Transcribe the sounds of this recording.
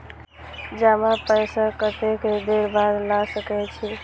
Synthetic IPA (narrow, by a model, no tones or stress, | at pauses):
d͡ʒamapəjsakət̪ekd̪eɾbaɾlasəkɛt͡ʃʰi